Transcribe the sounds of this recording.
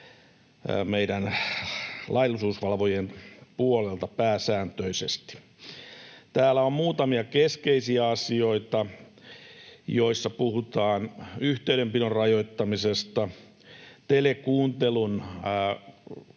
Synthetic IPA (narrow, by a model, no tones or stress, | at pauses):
meiɾæn | lʔɑilːˑusuːsʋɑlʋojenpuolelt̪ɑpæːsæːnt̪øisḛst̪i̥ | t̪æːlːæommuːt̪ɑmiɑkeskeisiæɑsioit̪ɑ | joisːɑpuhut̪ɑːnyht̪eyɾempilorrɑjoit̪ːɑmisest̪ɑ | t̪elekuːnt̪elun